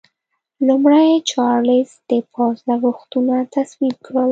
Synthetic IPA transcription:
lumɽajt͡ʃɑɾlɪzd̪̥əpʰɑzlaɡuxt̪unat̪aswib̚kɽəl

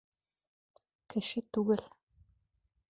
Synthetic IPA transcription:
kɘ̆ʃɘt̪uɣɘl

